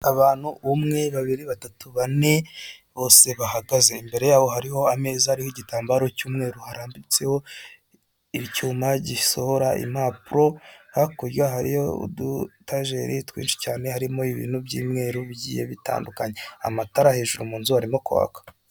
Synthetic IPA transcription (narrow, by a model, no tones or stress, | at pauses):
aβaːn̥huβumŋeβaβiɾiβatatuβaneβo̞ːse̞βahaɡaze̞imbe̞ɾe̞jaːβo̞ɦaɾiho̞ame̞ːzahaɾihoɟitaːmbaɾo̞cuːmŋe̞ːɾuhaɾaːmbit͡se̞ho̞ | icuːmaɟisohoɾaʔḭmaːpuɾo̞hakoɾwaɦaɾḭjo̰ṵdutaʒe̞ɾitwḭːnʃi̥caːne̞haɾimo̞iβḭːnhubɟḭːmŋe̞ːɾuβɟḭːjḛβita̰ːndukaɲe̞a̰mataɾahe̞ːʒuɾumuːnzuhaɾimo̞kuβa̰kḁ